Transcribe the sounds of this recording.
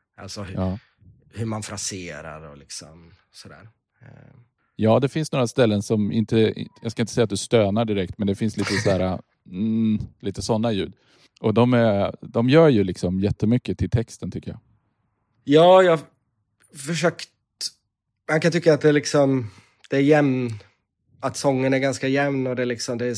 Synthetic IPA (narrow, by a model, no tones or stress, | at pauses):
ʔa̰lsɔhɑː | hɵmanfɾaseːɾa̰ɾɔlɪksɔ̰m | sɔd̪æ̰ːɾ | jɑːd̪ɛfɪnsnoːɾast̪ɛlːənsɔmɪ̰nt̪ə̰jɑːskaɪnəsɛjːat̪d̪ɵst̪øːnaɖɪɾɛk̚t̪mɛnd̪ɛfɪnsliːt̪əsæːɾa | m̩liːt̪əsɔnːajʉ̟̰ːd̪ | ʔɔd̪ɔmæd̪ɔmjœːɾjɵlɪksɔmjɛt̪ʰːəmʏkːət̪ʰɪlt̪ʰɛkst̪ənt̪ʏkːəjɑ̰ː | jɑːjɑː | fœʂøːkt̪ | mankant̪ʰʏkːat̪̚d̪ɛlɪksɔm | d̪̥ɛːɾjɛmn | at̪sɔŋːənæɾɡanskajɛmnɔd̪ɛlɪksɔmd̪ɛː